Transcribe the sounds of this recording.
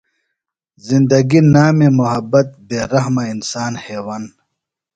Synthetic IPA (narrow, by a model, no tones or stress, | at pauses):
zind̪ɐɡinaːmemuɦɐbɐt̪̚beːɾɐɦmainsaːnheːwaːn